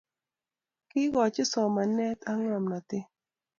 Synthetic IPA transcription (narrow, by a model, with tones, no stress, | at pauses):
kɪ˦ɡɔ˨t͡ʃɪ˦sɔ˨ma˨nɛ˦t̪ʰa˦ŋa˨mna˨t̪ɪ˦